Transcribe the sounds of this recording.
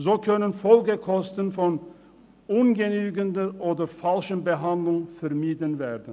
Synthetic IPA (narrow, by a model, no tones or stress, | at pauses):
zoːkʰœnənfɔlɡəkʰɔstən̩fɔn | ʊnɡənyːɡəndəʔoːdɐfalʃənbəɦandlʊŋfɛɐmiːdənveːdn̩